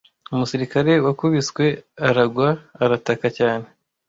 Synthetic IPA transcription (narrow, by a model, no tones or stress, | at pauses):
umusiɾikaɾe̞wakuβiskwe̞aɾaɡwaːɾatakacaːne̞